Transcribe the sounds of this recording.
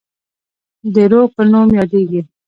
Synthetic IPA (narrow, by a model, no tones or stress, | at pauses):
d̪əɾopənumjɑd̪eɡi